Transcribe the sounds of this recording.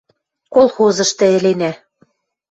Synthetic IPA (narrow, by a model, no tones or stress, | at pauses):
kolˠxozɤ̆ʃt̪ɘ̆ɘ̆lenæ